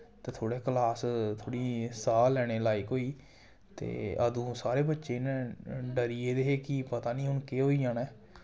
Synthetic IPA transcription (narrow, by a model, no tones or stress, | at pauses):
t̪eːt̪ʰoːɽeːkəlaːst̪ʰoːɽiːsaːlɛːɽ̃eːlaːikɦoːiː | t̪ḛːəd̪ũːsaːɾeːbətːʃeːnɛ̃ɖəɾieːd̪eːɦeːkɪpət̪aːnĩːɦʊnkeːɦoːiːãːnɛː